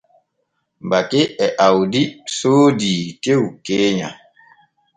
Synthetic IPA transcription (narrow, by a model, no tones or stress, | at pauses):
bakeɛʔawdisoːdiːtewkeːɲã̰